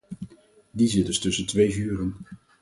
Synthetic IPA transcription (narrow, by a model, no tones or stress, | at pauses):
dizɪdəstɵsəntʋejvyːrən